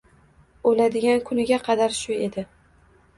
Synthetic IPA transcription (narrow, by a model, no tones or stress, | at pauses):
olad̪ɪɡʲankʰʊnɪɡʲaqʰɑd̪aɾʃʊe̞d̪ɪ